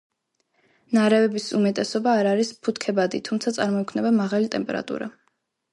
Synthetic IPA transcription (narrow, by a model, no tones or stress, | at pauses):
naɾɛvɛbisumɛt̪ʼɛsɔbaːɾaɾispʰut̪ʰkʰɛbad̪it̪ʰumt̪sʰat̪sʼaɾmɔkʰvmnɛbamaʁalit̪ʼɛmpʼɛ̰ɾa̰t̪ʼṵɾa